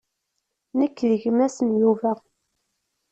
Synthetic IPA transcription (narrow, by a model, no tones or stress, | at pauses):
nəkːðəʝmæsənjuvæ